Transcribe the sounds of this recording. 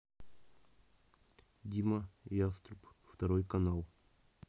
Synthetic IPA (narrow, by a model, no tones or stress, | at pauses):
d̪ʲiməjast̪ɾupft̪ɐɾojkɐnalˠ